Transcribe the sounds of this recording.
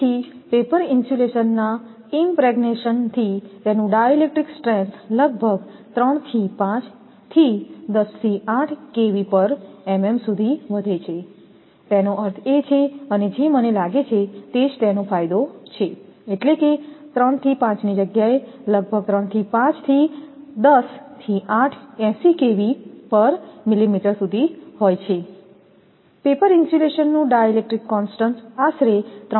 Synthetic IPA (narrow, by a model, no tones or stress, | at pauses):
ipepəɾɪnsuleʃənːa | impɾɛɡneʃənt̪ʰit̪enũɖajolek̚ʈɾiksʈɾẽnsləɡ̚bʱəɡt̪ɾəɳ̃t̪ʰipãt͡ʃ | t̪ʰid̪əst̪ʰiaʈʰkeʋipəɾɛmemsud̪ʱiʋəd̪ʱet͡ʃʰe | t̪enoʔəɾt̪ʰet͡ʃʰeəned͡ʒemənelaɡet͡ʃʰet̪ed͡ʒt̪enofajd̪ot͡ʃʰeeʈleket̪ɾəɳt̪ʰipãt͡ʃnid͡ʒəɡjaeləɡ̚bʱəɡ̚t̪ɾəɳt̪ʰipãt͡ʃt̪ʰid̪əst̪ʰiaʈʰɛ̃sikeʋipəɾmilimiʈəɾsud̪ʱiɦojt͡ʃʰe | pepəɾinsʈileʃənːũɖajelek̚ʈɾikːɔnsʈənsaʃɾet̪ɾ